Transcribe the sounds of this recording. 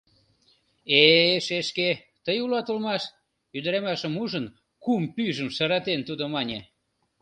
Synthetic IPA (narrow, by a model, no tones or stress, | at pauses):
eʃeʃke | t̪əjulɑt̪ulmɑʃ | yd̪əɾemɑʃəmuʒən | kumpyʒəmʃɑɾɑt̪ent̪ud̪omɑnʲe